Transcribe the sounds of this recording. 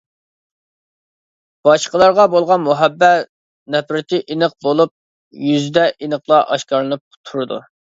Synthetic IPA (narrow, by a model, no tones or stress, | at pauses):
b̥ɑʃqəlˠɑɾʁɑbolˠʁɑnmuɦɛbːɛ | nɛpɾɪt̪ʰɪʔinəq̚bolˠup̚ | jyzd̪ɛʔinəqlˠɑʔɑ̰ʃkɑɾlˠɨnɨp̚t̪ʰuɾɨd̪ṵ